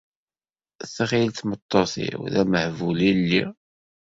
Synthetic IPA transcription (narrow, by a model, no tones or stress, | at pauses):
θəʁilt̪mət̪ˤːoθḭwðæməhvulilːi